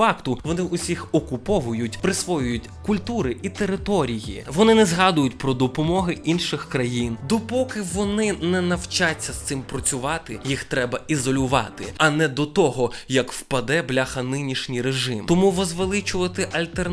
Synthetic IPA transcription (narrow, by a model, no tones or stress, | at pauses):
ɑkt̪ʊʋɔnɪʔʊsʲixɔkʊpɔʋʊjʊtʲpɾɪsʋɔjʊjʊtʲkʊlʲt̪uɾɪʔit̪eɾɪt̪ɔɾʲijḭʋɔnɪnɛzɦɑd̪ʊjʊtʲpɾɔd̪ɔpɔmɔɦɪʔinʃɪxkɾɐjind̪ɔpɔkɪʋɔnɪnɛnɐwt͡ʃat͡sʲːɐst̪sɪmpɾɔt͡sʲʊʋɑt̪ɪjixt̪ɾɛbɐizɔlʲʊʋɑ̰t̪ɪ̰ɐnɛd̪ɔt̪ɔɦɔjɐkwpɐd̪ɛblʲaxɐnɪnʲiʃnʲijɾeʒɪmt̪ɔmuʋɔzʋelˠɪt͡ʃʊʋɐt̪ɪʔɐlʲt̪er